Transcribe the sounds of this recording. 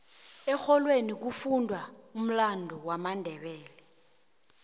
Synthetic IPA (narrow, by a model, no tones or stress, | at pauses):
ɛxɔlwenik̬ufundʱwaum̩landʱɔwamandʱɛɓɛːlɛ